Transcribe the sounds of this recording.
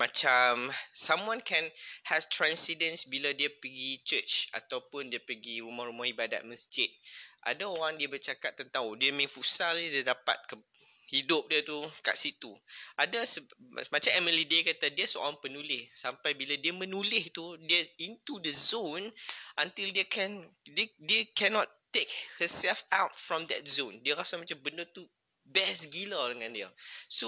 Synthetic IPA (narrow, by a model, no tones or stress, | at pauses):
mat͡ʃamsamwãnkʰɛ̃nhɛst̪ɾãnsidənsbiladiapəɡit͡ʃət͡ʃa̰t̪awpʊndiəpəɡiɾumahɾumahibada̰t̪̚məsd͡ʒɪt̪̚ʔa̰daoɾaŋdiəbərt͡ʃakat̪ːənt̪ãŋdiəmẽfusaldiədapa̰t̪̚kəhidʊp̚diət̪uka̰ʔsit̪uʔadasəmat͡ʃãmɛməlidekat̪adiəsoa̰ɾaŋpənulɪhsampajbiladiəmə̃nulɪht̪udiəĩnt̪udəzonʔãnt̪ildekʰɛ̃ndedekɛnɔtː | ek̚həsɛlfawt̚fɹɔ̃md̪ɛ̰t̚zõndiəɾasamat͡ʃambəndət̪u | bɛsɡilədəŋãndiəso